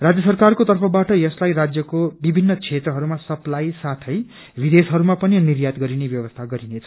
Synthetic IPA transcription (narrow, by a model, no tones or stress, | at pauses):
rad͡zjʌsʌrkarkot̪ʌrpʰʌbaʈʌjʌslajrad͡zjʌkobibʱinːʌt͡sʰet̪rʌɦʌɾumasʌplajsat̪ʰʌj | bʱid̪esɦʌɾumapʌninirjat̪ɡʌɾinebjʌbʌst̪ʰaɡʌɾinet͡sʰʌ̥